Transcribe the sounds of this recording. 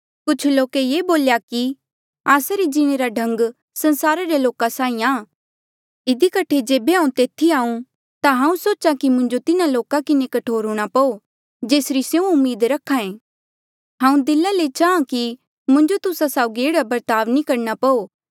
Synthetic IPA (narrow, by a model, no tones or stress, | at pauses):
kʊt͡ʃʰloːkejeːboːljaki | aːsaɾed͡ʒɪɽ̃eɾaɖʱɐ̃ŋɡ | sɐ̃nsaːɾaɾeloːkasãːĩãː | ɪd̪ikɐʈʰed͡ʒeːbeɦãːũt̪eːt̪ʰiaːũ | t̪aɦãːũsoːt͡ʃãkimʊ̃ɲd͡ʒot̪ɪnaloːkakɪnekɐʈʰoːɾɦuːɽ̃apɐo | d͡ʒeːsɾisjeũʊmːiːd̪ɾɐkʰːaẽː | ɦãːũd̪ɪlãlet͡ʃaːãki | mʊ̃ɲd͡ʒot̪ʊsasaːʊɡieːɽabɐɾt̪aːʋnikɐɾnapɐoː